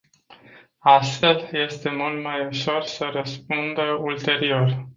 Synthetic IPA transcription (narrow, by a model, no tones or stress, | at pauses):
ast̪fe̞lje̞st̪e̞mult̪majuʃo̞rsəɾəspund̪əult̪e̞ɾio̞r